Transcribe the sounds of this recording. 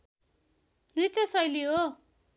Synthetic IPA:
nrit̪josʌjliɦo

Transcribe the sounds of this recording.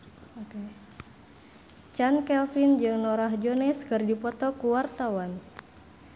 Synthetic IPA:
oke | t͡ʃankɛlfind͡ʒɨŋnɔɾaɦd͡ʒɔnɛskɨrdipɔt̪ɔkuwart̪awan

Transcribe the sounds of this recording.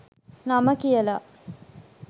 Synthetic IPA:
naməkijəla

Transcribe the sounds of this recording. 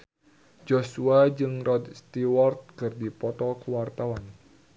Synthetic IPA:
d͡ʒosuad͡ʒɨŋrɔd̪st̪iwɔrt̪̚kɨrdipɔt̪ɔkəwart̪awan

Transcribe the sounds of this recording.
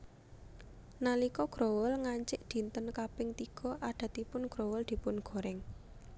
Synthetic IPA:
nalikɔɡ̥ɾowəlŋaɲt͡ʃɪʔd̪̥i̤nt̪ənkapɪŋt̪iɡ̥ɔ̤ʔaɖ̪̥a̤t̪ipʊnɡ̥ɾowəld̪̥i̤pʊnɡ̥o̤ɾɛŋ

